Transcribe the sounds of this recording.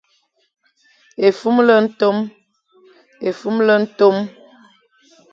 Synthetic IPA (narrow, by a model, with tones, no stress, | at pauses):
e˨fu˦mlə˦n̩˦to˦m | e˨fu˦mlə˦n̩˦to˦m